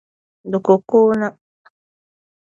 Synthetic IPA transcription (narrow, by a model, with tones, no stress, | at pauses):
dʊ˨ku˨ku˦na˦